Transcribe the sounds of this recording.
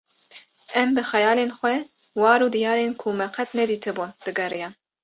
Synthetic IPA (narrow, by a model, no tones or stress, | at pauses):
ɛmbɨxɛjɑːlenxʷɛ | wɑːɾuːd̪ijɑːɾenkʰumɛqʰɛt̪nɛd̪iːt̪ʰɨbund̪̥ɨɡɛɾijɑːn